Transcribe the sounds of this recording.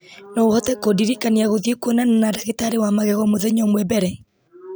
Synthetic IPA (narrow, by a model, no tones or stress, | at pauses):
nɔohɔtɛkodiɾikaniaɣoðjekwonananadaɣetaɾewamaɣɛɣɔmoðɛɲɔmwɛbɛɾɛ